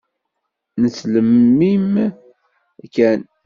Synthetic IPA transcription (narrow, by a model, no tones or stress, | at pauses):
nət͡sːləmːim | kːæn